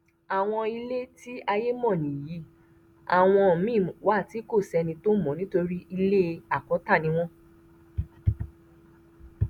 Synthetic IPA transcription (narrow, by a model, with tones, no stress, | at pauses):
a˨w̃ɔ̃˧i˧le˦ti˦a˧je˦mɔ̃˦˨nĩ˨ji˨˦ | a˨w̃ɔ̃˧˨mĩ˦˨wa˨˦˨ti˨˦ko˦˨sɛ˧nĩ˧to˦mɔ̃˨˦nĩ˦to˧ɾi˦i˧le˦˧a˨kɔ˨˦ta˦˨nĩ˧˦w̃ɔ̃˦